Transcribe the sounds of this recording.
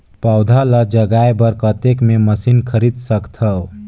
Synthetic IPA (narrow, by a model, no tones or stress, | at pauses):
paʊd̪ʱaləd͡ʒəɡaebəɾkət̪ekmeməsinkʰəɾid̪səkt̪ʰəw